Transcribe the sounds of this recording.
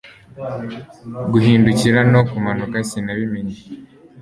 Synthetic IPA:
ɡuɦiːnduciɾano̞kumanukasinaβimeɲe

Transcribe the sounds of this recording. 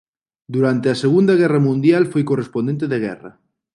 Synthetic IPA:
d̪uɾant̪easeɣund̪aɣ̞ɛramũnd̪jalfojkorespond̪ent̪̬eðeɣ̞ɛ̰ra̰

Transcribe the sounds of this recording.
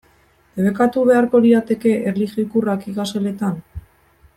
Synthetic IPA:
d̪eβekat̪uβe̞aɾko̞ɾiat̪e̞ke̞ʔerliɣjoikurakiɣasele̞t̪an

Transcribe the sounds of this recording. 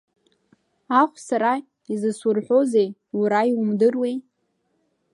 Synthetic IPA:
aχʷsaɾa | izɨsʊrħʷo̞zejuɾaiwumdɨrwej

